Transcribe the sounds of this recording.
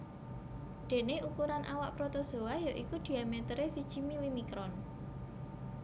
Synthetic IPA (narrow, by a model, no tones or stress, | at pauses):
d̪̥e̤neukuɾanʔawaʔpɾot̪oso̤wajoʔikud̪̥i̤amet̪əɾesid̥ʒ̥imilimikɾɔn